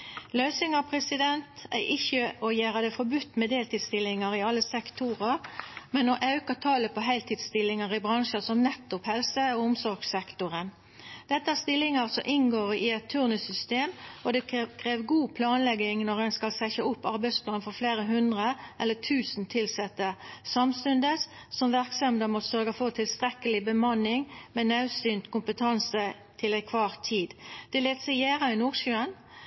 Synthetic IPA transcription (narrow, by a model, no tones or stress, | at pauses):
lœːsɪŋɑpʰɾɛsɪd̪ɛnt̪æ̰ʔɪçəʔɔjæːʁɑd̪ɛfɔɾbʉt̪ːmɛd̪eːlt̪ɪːd̪st̪ɪlɪŋɑɾɪɑlːəsɛkt̪ʰʊɾəɾmɛnoʔɑʉkɑt̪ʰɑːləpʰɔɦæɪlt̪ʰɪːd̪st̪ɪlːɪŋɑɾɪbɾɑŋʂəsɔmnɛt̪ːʊphɛlsəɔʊmsɔɾɡsɛkt̪ʊɾən | d̪̥ɛt̪ːəæːst̪ɪlɪŋɑʁsɔʔɪnɡoːɾɪɛt̪ʰːʉʁnəsʏst̪eːmɔd̪ɛkʰʁeːʋɡuːpʰlɑːnlɛɡɪŋnɔʁɛnskɑlsæçəʊpːɑɾbæɪspʰlɑːnfɔʁfleːʁəɦʉnd̪ʁəʔɛlːət̪ʰʉːsn̩t̪ʰɪlsɛt̪ːəsɑmst̪ʉnd̪əs | sɔmʋæʁksɛmd̪əmɔt̪sœɾɡəfɔt̪ʰɪlst̪ʁɛkəlɪbəmɑnːɪŋmeːnɑʉsyːnt̪kʊmpət̪ʰɑnsə | t̪ʰɪlæɪkʰʋɑːʁt̪ʰːiːd̪d̪̥ɛleːt̪sɛɪjæːʁɑɪnuːʁʃʉːən